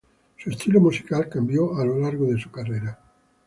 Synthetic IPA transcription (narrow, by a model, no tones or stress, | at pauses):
suest̪ilomusi̥kalkambjoalolaɾɣoðesu̥kareɾa